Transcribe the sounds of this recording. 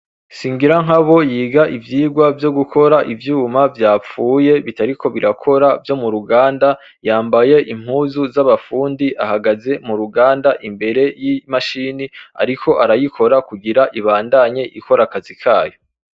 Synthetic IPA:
siːŋɡiɾaŋɦaβo̞jiːɡaʔivjiːɡwavjo̞ɡukʰo̞ɾaʔivjuːmavjaːp͡fuːje̞βitaɾikʰo̞βiɾakʰo̞ɾavjo̞muɾuɡaːnda | jaːmbaje̞ʔim̥huːzuzaβafuːndiʔahaɡaze̞muɾuɡaːndaʔimbe̞ɾe̞jimaʃinia̰ɾikʰo̞ʔaɾajikʰo̞ɾakuɡiɾaʔiβaːndaɲe̞ʔiko̞ɾakazikʰaːjo̞

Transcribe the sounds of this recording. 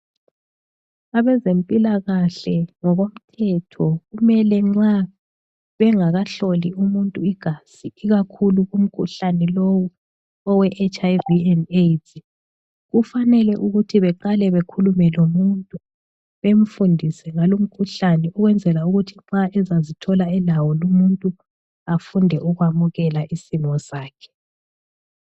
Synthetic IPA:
aβɛzempʼilaɣaɬɛŋɔɣom̩tʰɛtʰɔɣumɛlɛŋ͡ǁa | βɛŋaɣaɬoliumuntʼuiɡ̥ʱasiiɣakʰuluɣum̩kʰuɬanɛlowu | ɔwɛʔet͡ʃajviɛnejtʰi | ɣufanɛlɛʔuɣutʰiβɛǃalɛβekʰulumɛlomuntʼu | βem̩fundʱisɛŋalom̩kʰuɬanɛuɣwɛnd͡zʱɛlauɣutʰiŋ͡ǁaʔɛzazitʰɔlaɛlawɔlumuntʼu | afundʱɛʔuɣwamuɣɛlaʔisimɔsaːkʰɛ̥

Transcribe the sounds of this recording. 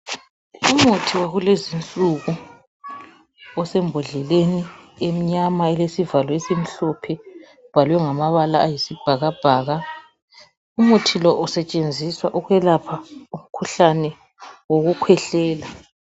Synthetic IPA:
umutʰiwaɣulezint͡sʼuɣu | ɔsɛmbʱɔɮɛleniem̩ɲamaɛlesivalɔesim̩ɬɔpʰɛ | b̥ʱalwɛŋamaβalaːjisib̥ʱaɣab̥ʱaːɣa | umutʰilɔʔɔsɛt͡ʃʼend͡zʱiswaʔuɣwɛlapʰaum̩kʰuɬanɛ | woɣukʰwɛɬɛːla

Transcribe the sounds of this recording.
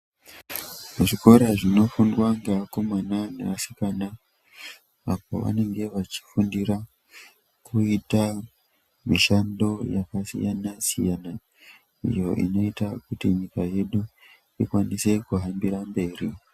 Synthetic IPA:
uʐiko̞ɾaʐino̞fundwaŋɡaako̞mananḛʋasi̥kana | apo̞̰ʋa̰ne̞ŋɡe̞ʋat͡ʃi̥fundiɾa | kʰuita | miʃando̞jakasḭjanasijana | ḭjo̞̰ʔḭno̞itakutiɲikaje̞ɗu | ikwanise̞kuɦambiɾambe̞ːri

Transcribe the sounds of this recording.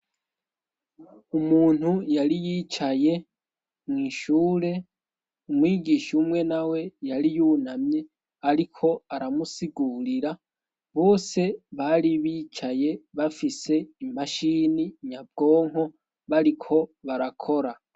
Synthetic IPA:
umuːn̥hujaɾijiːt͡ʃaje̞ | mŋiːʃuːɾe̞ | umwiːɡiːʃumŋe̞nawe̞jaɾijuːnamɲe̞ | aɾikʰo̞aɾamusiɡuːɾiɾa | βo̞ːse̞βaɾiβiːt͡ʃaje̞βafise̞imaʃiːniɲab̚ɡo̞ːŋ̥ɦo̞ | βaɾikʰo̞βaɾakʰo̞ɾa

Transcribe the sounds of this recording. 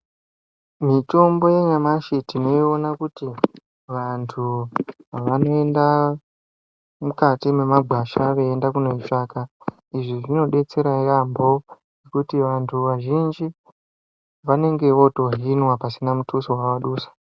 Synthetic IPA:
mito̞mbo̞je̞ɲamaʃitino̞io̞nakuti | ʋantʰu | ʋano̞e̞nda | mukatimemaɡʱaʃaʋe̞ːndakuno̞it͡ʃaːka | iʐiʐino̞ɗe̞t͡se̞ɾairambo̞nekutiʋantʰuʋaʒind͡ʒi | ʋane̞ŋɡe̞ʋo̞to̞ɦinwapasinamutusowawaɗuːsḁ

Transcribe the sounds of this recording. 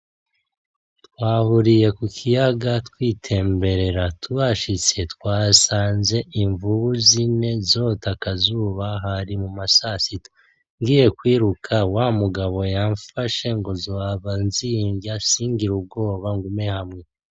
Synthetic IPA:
twaːβuɾije̞kukʰijaɡatwiːtʰe̞ːmbe̞ɾe̞ɾatʰuβaʃit͡se̞twaːsaːnze̞ʔiɱvuβuzine̞zo̞ːtakazuːβaɦaɾimumasasito | ŋɡiːje̞kwiːɾukʰawamuɡaβo̞jaɱfaʃe̞ŋɡo̞zoaβanziːɲɡasiːŋɡiɾub̚ɡo̞ːβaŋɡume̞hamŋe̞

